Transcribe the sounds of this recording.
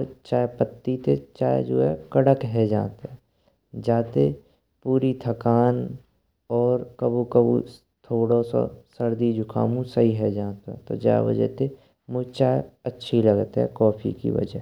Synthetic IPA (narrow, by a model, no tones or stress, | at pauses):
ɾt͡ʃaːepət̪ːit̪et͡ʃaːed͡ʒo̰ːɦɛkəɽəkɦɛd͡ʒaːt̪ɛ | d͡ʒaːt̪e | puːɾit̪ʰəkaːn | ɔːɾkəbukəbṵ | t̪ʰoːɽoso̰səɾd̪id͡ʒʱʊkʰa̰ːmũsəɦiɦɛd͡ʒaːt̪ɛ̰t̪o̰d͡ʒa̰ːʋə̰d͡ʒɛ̰t̪e | mʊd͡ʒt͡ʃaːeətːʃʰiləɡt̪ɦɛ̰kɔːpʰḭkḭʋə̰d͡ʒɛɦɛ